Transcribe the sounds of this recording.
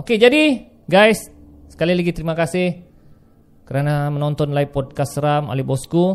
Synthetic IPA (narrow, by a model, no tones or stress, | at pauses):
oked͡ʒadi | ɡajsːə̥kalilaɡit̪əɾimakasɪh | kəɾanamənɔnt̪ɔnlaipɔd̚kasəɾamo̰lɛhbɔsku